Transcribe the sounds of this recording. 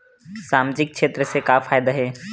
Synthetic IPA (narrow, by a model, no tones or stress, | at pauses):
saːmd͡ʒɪk̚kʃeːt̪ɾəsekafʰaːjd̪aɦɛː